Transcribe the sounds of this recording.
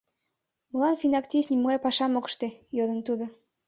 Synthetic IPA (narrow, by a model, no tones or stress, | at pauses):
mɤlɑnfinɑkt̪ʲifnʲimuɡɑjpɑʃɑmokʃt̪ejod̪ə̆nt̪ud̪ŏ